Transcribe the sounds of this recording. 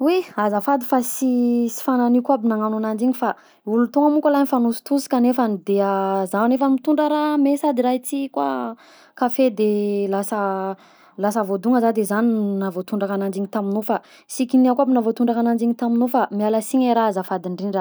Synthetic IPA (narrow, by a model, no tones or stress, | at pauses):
wiazafad̪ifasisi̥fananikuabinaŋananand͡ʒiɲifa | ulut̪oŋəmukʲalanfanusu̥t̪usi̥kanefanid̪eazanefəmit̪uɳɖ͡ʐəɾamesad̪iɾait͡s̪ikwa̰ | kafed̪elasə | lasəvod̪uŋəzad̪ezaninavot̪uɳɖ͡ʐakanand͡ʒiɲit̪aminofa | sikiniakʷabinavot̪uɳɖ͡ʐakanand͡ʒiɲit̪aminofamialasiɲeɾaazafad̪iɳɖ͡ʐinira